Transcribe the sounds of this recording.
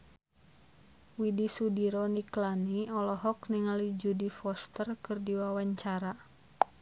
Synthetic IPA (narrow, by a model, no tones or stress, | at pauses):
widisudiɾɔniklaniɔlɔɦɔkniŋalid͡ʒudifɔst̪ərkɨrdiwawaɲt͡ʃaɾa